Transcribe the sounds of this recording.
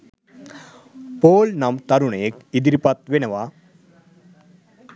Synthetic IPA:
poːlnɐmt̪ɐɾuɳeːkid̪ɾipɐt̪ʋenɐʋa

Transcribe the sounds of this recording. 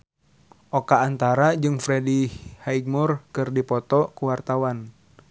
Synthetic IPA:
ʔɔkaːnt̪aɾad͡ʒɨŋfɾɛdihaiɡ̚murkɨrdipɔt̪ɔkuwart̪awan

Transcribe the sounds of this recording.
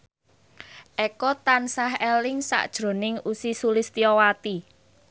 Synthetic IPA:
ʔɛkɔt̪ansaɦɛlɪŋsa̰ʔd̥ʒ̥ɾo̤nɪŋusisulɪst̪iɔwat̪i

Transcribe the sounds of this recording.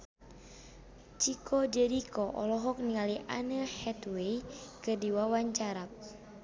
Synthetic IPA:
t͡ʃikʰɔd͡ʒɛɾikʰɔʔɔ̰lɔɦɔk̚niŋaliʔa̰nəhɛt̪wejkɨrdiwawaɲt͡ʃaɾak̚

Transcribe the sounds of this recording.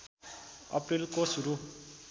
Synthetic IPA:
ʌ̰pɾilkosuɾu

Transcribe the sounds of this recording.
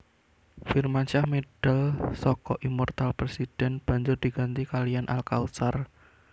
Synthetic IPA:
firmant͡ʃahmed̥alsɔkɔʔimɔrt̪alpɾesid̥ɛnb̥a̤ɲd͡ʒʊrd̪̥i̤ɡ̥a̤nt̪ikalijanʔa̰lkausar

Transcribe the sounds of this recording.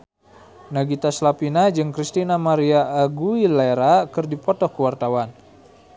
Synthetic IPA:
naɡit̪aslapinad͡ʒɨŋkɾist̪inamaɾiaʔːɡuilaɾakɨrdipɔt̪ɔhkəwart̪awan

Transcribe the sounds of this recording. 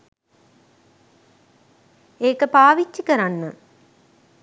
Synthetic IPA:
eːkːɐpaːʋit͡ʃːikːɐɾanːɯ

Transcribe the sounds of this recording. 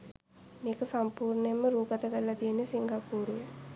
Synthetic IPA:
miːkusɐmpuːɾnemuɾuːkɐt̪ɐɡɐlːɐd̪inisiŋɡɐpuːɾu

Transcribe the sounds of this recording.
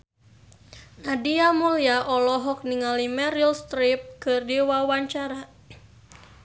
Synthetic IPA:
nadiamuliaʔɔlɔɦɔk̚niŋalimɛɾilst̪ɾip̚kɨrdiwawaɲt͡ʃaɾa

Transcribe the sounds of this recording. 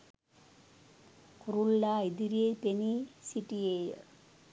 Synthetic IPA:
kuɾulːaid̪iɾepenisiʈːiej

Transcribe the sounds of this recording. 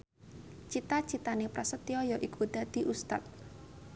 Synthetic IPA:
t͡ʃit̪at͡ʃit̪anepɾasət̪iɔjɔʔikʰod̪̥ad̪̥i̤ʔust̪a̰t̪̚

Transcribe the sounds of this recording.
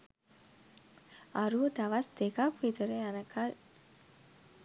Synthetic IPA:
aɾuʋəd̪aʋasd̪ekakʋit̪əɾeanəkʰal

